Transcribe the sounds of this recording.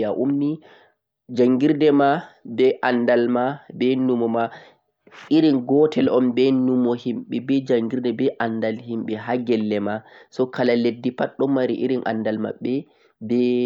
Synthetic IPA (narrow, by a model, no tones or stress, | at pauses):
aʔumni | d͡ʒaŋɡiɾdɛmabɛʔandalmabɛnumɔma | iɾinɡɔtʰɛlɔmbɛnumɔhimɓɛbɛd͡ʒaŋɡiɾdɛbɛʔandalhimɓɛɦaɡɛlːɛmasɔkalaledːipaɗːɔmaɾiʔiɾinʔa̰ndalma̰ɓːɛ | bɛ